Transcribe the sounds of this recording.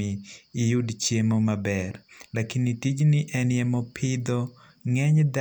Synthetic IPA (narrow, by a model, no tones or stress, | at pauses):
iːjudt͡ʃjemomabɛrlakinitid͡ʒniʔɛnɪjɛmɔpʰɪd̪ɔ | ŋɛɲd̪a